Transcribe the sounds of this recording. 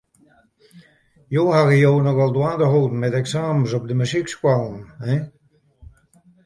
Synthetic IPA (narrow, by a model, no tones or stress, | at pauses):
joːhaɣəjoːnɔɣalˠdwãːndəɦoːdn̩mɛtɛksaːmsɔb̚dəmyzikskwalˠnɛ